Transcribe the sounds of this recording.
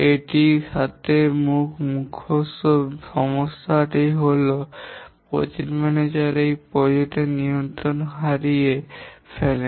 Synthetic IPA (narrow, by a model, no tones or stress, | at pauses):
eʈiʃat̪ʰemukʰmukʰːosoʃɔmosaʈijɦolopɾo̰t͡ɕimɛned͡ʑaɾejpɾɔd͡ʑot̪enijont̪ɾonɦaɾiefʰele